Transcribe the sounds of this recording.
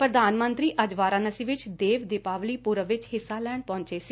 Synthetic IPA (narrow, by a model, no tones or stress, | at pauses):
pɾəd̪aːnmənt̪ɾiːʔəd͡ʒʋaːɾãːnəsiːʋɪt͡ʃd̪eːʋd̪eːpaːʋliːpuɾəʋɪt͡ʃɦɪsːaːlɛːɳpɔ̃ːɲt͡ʃeːsiː